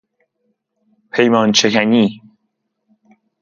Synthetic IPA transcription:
pʰejmɒːnt͡ʃʰekʰæniː

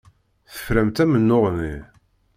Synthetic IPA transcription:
θə̥fɾæmt̪æmənːʊʁni

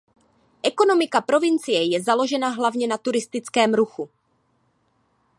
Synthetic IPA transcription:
ʔɛko̞no̞mɪkapɾo̞vɪnt͡sɪjɛjɛzalo̞ʒɛnaɦlavɲɛnat̪uɾɪst̪ɪt͡skɛːmɾuxu

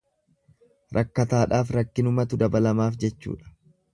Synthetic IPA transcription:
ɾʔɐkːɐt̪aːᶑaːfɾɐkːɪnʊmɐt̪ʊd̪ɐbɐlɐmaːfd͡ʒɛt͡ʃːṵːᶑɐ̥

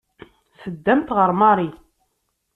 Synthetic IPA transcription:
səd̪ːæmt̪ʁəɾˤmɑɾˤi

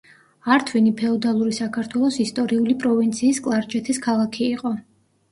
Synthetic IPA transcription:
aɾt̪ʰvinipʰɛɔd̪alˠuɾisakʰaɾt̪ʰwɛlˠɔsist̪ʼɔɾiulipʼɾɔvint̪sʰiːskʼlˠaɾd͡ʒɛt̪ʰiskʰalˠakʰiːqʼɔ

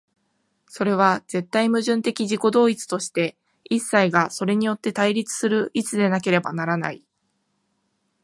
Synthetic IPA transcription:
so̞ɾe̞β̞az̥e̞t̪ːaimɯ̟ʑɨ̃nt̪e̞kʲiʑiko̞d̪o̞ːit͡sɨ̥t̪o̞ɕi̥t̪e̞ | isːaiɡaso̞ɾe̞ɲ̟ijo̞t̪ːe̞t̪aiɾʲit͡sɨ̥sɨɾɯ̟ʔit͡sɨd̪e̞nake̞ɾe̞banaɾana̰i

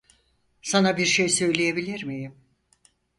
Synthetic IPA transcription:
sanabiɾʃejsø̞jlʲejebilʲiɾmijim

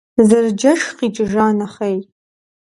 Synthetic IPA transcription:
zɨrd͡ʒɐʂqiːt͡ʃʼɨʒaːnɐχej

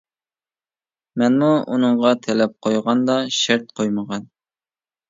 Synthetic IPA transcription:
mɛnmuunɨŋʁɑt̪ʰɛlɛp̚qʰojʁɑnd̪ɑʃɛɾt̪̚qʰojməʁɑn

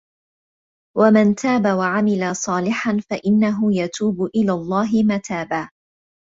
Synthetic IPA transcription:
wamant̪ʰaːbawaʕamɪlasˤɑːlɪħanfaʔɪnːaɦʊjat̪uːbʊʔɪlaːlˤːɑːɦɪmaːt̪ʰaːbaː

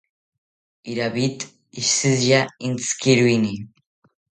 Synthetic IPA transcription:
iɾaβit̪ | iʃizjaint͡skiɾuini

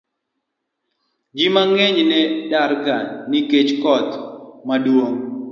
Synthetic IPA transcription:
d͡ʒimaŋeɲnɛdaɾɡanːɪket͡ʃkɔt̪madwoŋ

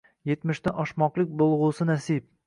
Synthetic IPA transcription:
je̞t̪mɪʃt̪aʔɒʃmɒqlˠɪk̚ʲbolˠʁʊsɪnasip̚

